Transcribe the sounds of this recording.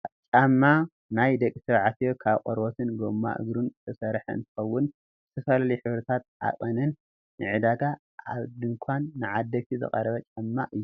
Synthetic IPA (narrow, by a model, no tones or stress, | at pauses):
t͡ʃʼamːa | najd̪ɐkʼːisɐβʕat̪jokʰaβqʼoɾbot̪ʰɨnɡomːa̰ʔɨ̰ɡɾunzɨt̪ʰɐsɐɾħɨ̰nt̪ʰɨ̥xɐwːʊn | zɨt̪ʰɐsalalijħɨβɾɐt̪ʰat̪̚a̰kʼɐnɐnː | ɨʕɨd̪aɡa | aβd̪ɨŋkʰanːɨʕad̪ːɐkt̪ʰizɨ̰kʼɐ̰ɾɐβɐt͡ʃʼamːaʔɨjːu